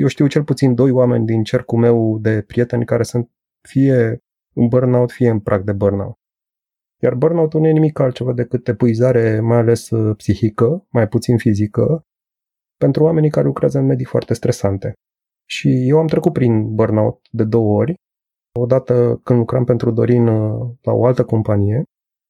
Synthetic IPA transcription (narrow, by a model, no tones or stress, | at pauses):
jewʃt̪iwt͡ʃe̞lput̪sind̪o̞jwame̞̰nʲd̪int͡ʃe̞rkume̞wd̪e̞pɾije̞t̪e̞nʲkaɾe̞sɨnt̪̚ | fije̞ | ɨnbərnawt̪fie̞ɨnpɾʔak̚d̪e̞bərna̰wt̪ | jarbərnawt̪ulnuje̞nimikːalt̪̚t͡ʃe̞vad̪e̞kɨt̪epɨizaɾe̞majale̞spsihikəmajput̪sinfizikə | pe̞nt̪ɾuwame̞nikaɾelukɾeazəɨnme̞d̪ifoa̰rt̪e̞st̪ɾe̞sant̪e̞ | ʃije̞wamt̪ɾe̞kut̪̚pɾinbərnaut̪̚d̪e̞d̪o̞wəo̞rʲ | o̞d̪at̪əkɨnd̪lukɾampe̞nt̪ɾud̪o̞ɾinla̰o̞alt̪əko̞mpanije̞